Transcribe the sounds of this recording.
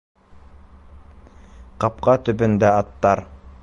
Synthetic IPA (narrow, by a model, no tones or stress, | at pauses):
qɑp̚qɑt̪ɵ̆pɵ̆nd̪æɑt̪ːɑɾ